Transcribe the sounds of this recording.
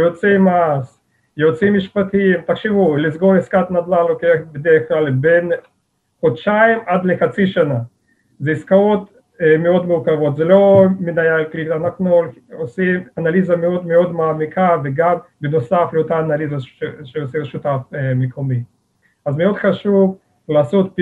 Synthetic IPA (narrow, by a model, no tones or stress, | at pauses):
jot͡simas | jot͡simiʃpat̪imt̪akʃivulisɡoɾiskat̪nad̪lalokeaχbed̪eʁeχklalben | χod̪ʃaimad̪leχat͡siʃana | zeiskaot̪ | meo̞d̪muʁkavo̞t̪zelo̞menajalklianaχnul | osimanalizameod̪meo̞d̪maːmikʰaveɡambenosafleot̪aːnalizaʃeosɛʃut̪afmekʰomi | azmeo̞d̪χaʃuv | laːsot̪̚p